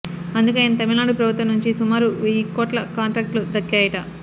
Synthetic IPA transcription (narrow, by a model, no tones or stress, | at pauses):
ɐnd̪ukɐinɐt̪ɐmilnaːɽupɾɐbʱut̪ʋɐmnuɲt͡ʃisumaːɾuʋeikːoːʈlɐkaːɳʈɾaːk̚ʈlud̪ɐkːaːjɐʈɐ